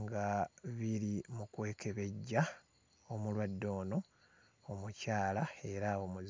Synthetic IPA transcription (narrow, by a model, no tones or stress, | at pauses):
ŋɡaβiɾimukwe̞ːkʰe̞βe̞ɟːa | omulwadːo̞ːno̞ | omucaːlae̞ɾaomuz